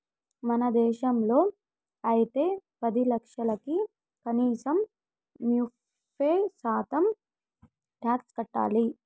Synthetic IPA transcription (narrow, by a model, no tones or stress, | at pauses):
mɐnɐd̪ɛːʃɐmlo̞ː | ɐjit̪e̞ːpɐd̪ilɐkʂɐlɐki | kɐniːsɐm | mju | eːsaːt̪ɐm | ʈjaːkskɐʈːa̰ːli